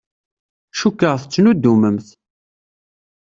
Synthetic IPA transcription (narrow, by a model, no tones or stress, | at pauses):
ʃukːəʁθət͡sːnud̪ːuməmθ